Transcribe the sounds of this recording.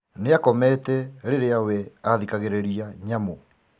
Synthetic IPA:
neakɔmɛːtɛɾeɾeawɛaðikaɣeɾeɾiaɲamo

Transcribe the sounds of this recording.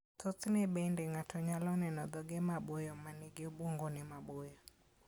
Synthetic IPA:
t̪ɔt̪nɛbɛndɛŋatʰɔɲalɔnɛnɔd̪ɔɡɛmabojɔmaneɡeobwoŋɡonɛmabojɔ

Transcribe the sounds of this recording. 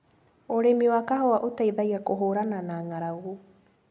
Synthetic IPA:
oɾemiwakaɦɔwaʔotaiðaiakoɦoːɾananaːŋaɾaɣo

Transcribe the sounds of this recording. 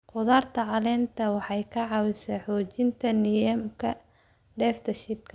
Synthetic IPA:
qʊðaːrt̪ʰɐʕɑlɛːnt̪ʰɐwɑħɑjkʰɐʕɑwɪsɐħɔːt͡ʃɪnt̪ʰɐnɪjɐmkʰɐ | ɖɛːft̪ʰɐʃɪd̪kʰɐ

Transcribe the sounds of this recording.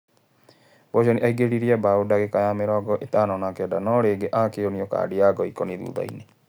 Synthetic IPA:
bɔd͡ʒɔniʔaiɡeɾiɾiɛbaodaɣekajameɾɔɡɔʔetaːnɔnakɛdanɔɾeːɡeʔaːkeoniɔka̰ːdiaɡɔikɔniðṵːða̰ḭne

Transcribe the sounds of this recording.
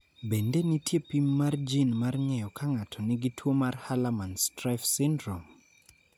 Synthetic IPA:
bendenitjepimːard͡ʒinmarŋɛjɔkʰaŋatʰɔnɪɡitwomarhalamanstɾafsɪndɾom

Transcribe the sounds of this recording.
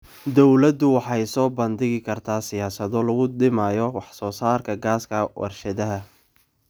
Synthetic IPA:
d̪ɔwlɐd̪ʊwɑħɑjsɔːbɐnd̪ɪɣɪkʰɐrt̪ʰaːsɪjaːsɐðɔlɐɣʊd̪ɪmaːjɔwɑħsɔːsaːrkʰɐɡaːskʰɐwʔɑ̰rʃɐðɐɦɐ

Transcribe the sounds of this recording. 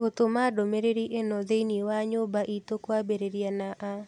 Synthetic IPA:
ot̪omadomeɾeɾiʔenɔðeinewaɲobaʔitokwabeɾeɾianaʔa

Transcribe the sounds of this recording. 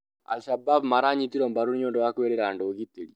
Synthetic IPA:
a̰lʃababmaɾaɲit̪iɾɔmbaɾunɲɔndɔwakwɛɾɛɾandoɡit̪eli

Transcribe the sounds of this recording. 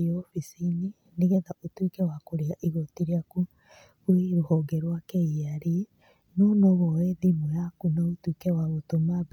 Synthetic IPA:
ofisini | niɣɛðaʔotwikɛwakoɾeaʔiɣotiɾiaku | wiɾohɔɡeɾwakeiaɾi | nonoβɔweðimojakunaotwikewaβotomaβ

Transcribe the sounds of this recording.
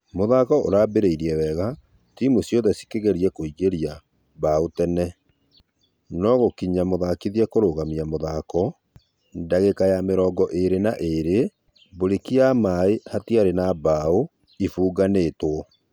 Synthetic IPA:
moðakɔʔo̰ɾaːbeɾeiɾiɛwɛɣa | timusjɔðɛsi̥keɣeɾiɛkoiɣeɾia | baotɛnɛ | nɔɣokiɲamoðakiðiɛkoɾoɣamiamoðakɔ | ndaɣekajameɾɔːɡɔʔeɾenaʔeɾe | boɾekiamaehatiaɾenabao | ifuːɡaneːtwɔ

